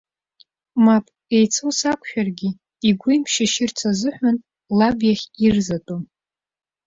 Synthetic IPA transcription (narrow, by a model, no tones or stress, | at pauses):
mapʼ | ejt͡sʰowsakʷʰʼʃᶣarɡʲɪ | iɡʷʊjmpʰʃɪʃɪrt͡sʰazɨħᶣʷan | labjaχʲirzatʼom